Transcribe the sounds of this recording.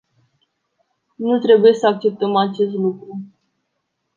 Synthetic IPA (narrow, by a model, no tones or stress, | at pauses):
nut̪ɾe̞buje̞səak̚t͡ʃe̞p̚t̪əmat͡ʃe̞s̬t̪lukɾu